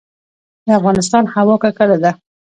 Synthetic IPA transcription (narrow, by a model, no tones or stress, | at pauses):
d̪əafɣɑnɪs̬t̪ɑnhawɑkakəlad̪a